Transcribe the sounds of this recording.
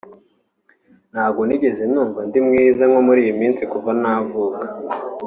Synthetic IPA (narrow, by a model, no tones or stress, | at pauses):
n̥haːbɡo̞niɟe̞ze̞nuːɱvandimŋiːzaŋo̞muɾiːjimiːnt͡sikuvanavuːkḁ